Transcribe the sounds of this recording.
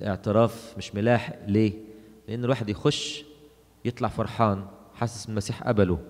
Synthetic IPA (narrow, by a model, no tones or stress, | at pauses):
ʔḛʕt̪eɾˤɑːfmɪʃmʊlæːħʔleːleʔenːelwaːħed̪jexoʃː | jet̪ˤlɑʕfɑɾˤħɑːnħasːæ̥slmæsiːħʔæ̰bælo